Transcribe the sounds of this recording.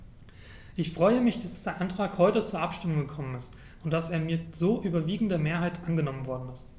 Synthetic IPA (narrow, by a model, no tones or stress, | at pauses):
ʔɪçfʁ̥ɔʏəmɪçd̥asdd̥eːɐʔantʁ̥aːkhɔʏtət͡suːɐʔapʃtɪmʊŋɡəkʰɔmənɪst | ʊnt̚d̥aseːɐmiːɐzoːʔyːbɐviːɡŋ̩dəmeːɐɦaɪtʔanɡənɔmənvɔɐdn̩ɪst